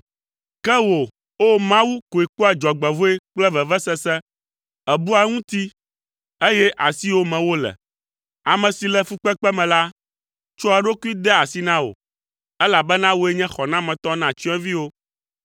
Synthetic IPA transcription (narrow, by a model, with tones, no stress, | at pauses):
kɛ˦wo˨ | o˦mã˦wu˦ko˨e˨ko˦ɛ˨d͡ʒɔ˨ɡ͡bɛ˨vo˦e˦k͡plɛ˦vɛ˨vɛ˦sɛ˦sɛ˦ | ɛ˨bu˦a˨ŋũ˦t̪i˦ | e˦jɛ˦ʔa˨si˦wo˦mɛ̃˨wo˦lɛ̰˨ | a˨mɛ̃˨si˨lɛ˨fu˦k͡pɛ˦k͡pɛ˦mɛ̃˨la˦ | t͡ʃɔ˦a˨ɖo˦ku˦i˦d̪ɛ˦a˨si˦nã˦wo̰˨ | ɛ˦la˨bɛ˦nã˦wo˦e˦ɲɛ̃˦xɔ˨nã˦mɛ̃˨t̪ɔ˦nã˨t͡ʃi˦ɛ̃˦vi˦wo˦